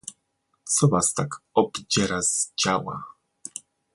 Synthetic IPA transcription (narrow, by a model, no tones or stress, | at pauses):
t̪sɔvast̪akɔbd͡ʑɛɾazd͡ʑawa̰